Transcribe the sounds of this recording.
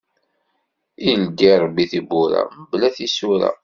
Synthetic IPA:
ild̪iɾˤbiθibuɾa̰məblæθisuɾæ̰

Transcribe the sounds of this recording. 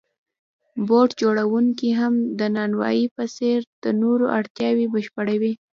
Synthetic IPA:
boʈd͡ʒoɽawuŋkiɦamd̪ənɑnwɑ̰jipəseɾd̪̥ənoɾoʔaɽt̪jɑwibəʃpəɽawi

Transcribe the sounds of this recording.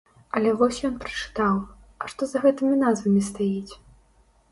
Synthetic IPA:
ɐlʲɛvɔsʲjɔnpɾɐ̥t͡ʂɨ̥t̪aw | ɐʂt̪ɔzɐɣɛt̪ɨmʲinazvɐmʲist̪ajit͡sʲ

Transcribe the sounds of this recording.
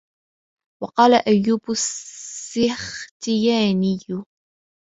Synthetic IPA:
wɑqɑːlaʔajːuːbʊsː | ɪxt̪ɪjaːnɪjːʊ

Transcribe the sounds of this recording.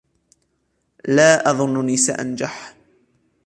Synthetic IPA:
laːʔɑðˤʊnːniːsa̰ʔa̰nd͡ʒaħ

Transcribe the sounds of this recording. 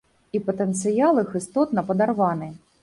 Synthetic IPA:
ipɐt̪ɛnt̪sɨjalˠɨxɨst̪ɔt̪nɐpɐd̪arvanɨ

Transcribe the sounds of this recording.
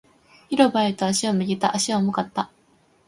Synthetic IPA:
iɾo̞baet̪o̞aɕiomɯ̟ɡʲit̪aʔaɕiamokat̪ːa

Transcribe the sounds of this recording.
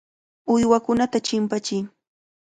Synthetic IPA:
ʊjwakʊnat̪at͡ʃɪmpat͡ʃɪj

